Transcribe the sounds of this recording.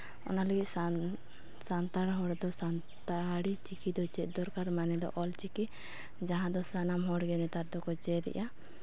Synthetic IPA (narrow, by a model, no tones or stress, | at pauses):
ɔ̰naləɡit̪̚ˀ | sant̪aɽɦɔɽd̪ɔsan | t̪aɽit͡ʃikid̪ɔt͡ʃɛt̪̚ˀd̪ɔɾkaɾmanɛd̪ɔ̰ʔɔlt͡ʃiki | d͡ʒaɦãd̪ɔsanamɦɔɽɡɛnɛt̪aɾd̪ɔkɔt͡ʃɛd̪ɛ̰ʔa